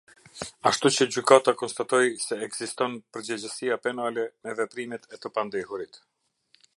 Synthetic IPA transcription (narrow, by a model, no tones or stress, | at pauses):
aʃt̪ut͡ɕəd͡ʑykat̪akɔnst̪at̪ɔjsɛːɡz̥ist̪ɔnpəɾd͡ʑɛd͡ʑəsiapɛnalɛmɛvɛpɾimɛt̪ɛt̪əpand̪ihuɾit̪